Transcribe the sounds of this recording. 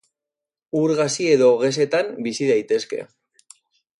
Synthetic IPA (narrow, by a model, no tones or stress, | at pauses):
uɾɣasie̞ðo̞ɣe̞s̬e̞t̪ambisiðajt̪e̞ske̞̰